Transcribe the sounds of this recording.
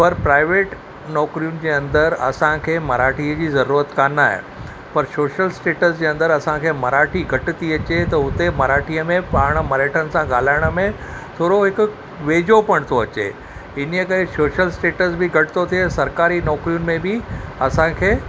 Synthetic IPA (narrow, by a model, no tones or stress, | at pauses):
pɐɾpɾaːɪʋeːʈ | nɔːkɾijʊnɪ̆d͡ʑeːɐ̃nd̪əɾɐ̰sãkʰeːmɐɾaːʈʰiəd͡ʑiːzɐɾuːɾət̪kaːnaːɦɪ̰ | pɐɾsoːʃəlsʈeːʈəsd͡ʑeːɐ̃nd̪əɾɐsãkʰeːmɐɾaːʈʰiɡʱɐʈɪt̪iɐt͡ɕet̪ɐʊt̪emɐɾaːʈʰijəmẽpaːɽ̃̆mɐɾeːʈʰənɪ̆sãɡaːl̤aːɪɽ̃ə̆mẽ | t̪ʰoːɾoɦɪk | ʋeːd͡ʑopɐɽ̃t̪ʰoɐt͡ɕḛ | ɪn̤ijəkɐɾesoːʃəlsʈeːʈəsbɪɡʱɐʈɪ̥t̪ʰot̪ʰiesɐɾkaːɾinɔːkɾijʊnɪ̆mẽbɪɐsãkʰeː